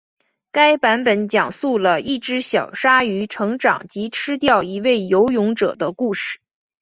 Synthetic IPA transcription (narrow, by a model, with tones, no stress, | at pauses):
ka˥ɪpa˧˥npə˨˥nt͡ɕjɑ˨˩ŋsu˥˩lə˩ʔi˥˩ʈ͡ʂɻ̩˧˥ɕjɑ˨˩ʊʂa˥y˧˥ʈ͡ʂʰɤ˧˥ŋʈ͡ʂɑ̰˨˩ŋt͡ɕi˧˥ʈ͡ʂʰɻ̩˥t̪jɑ˥˩ʊi˧˥we˥˩ɪjo˧˥ʊjʊ˧˥ŋʈ͡ʂɤ̰˨˩d̪ə˦ku˥˧ʂɻ̩˥˩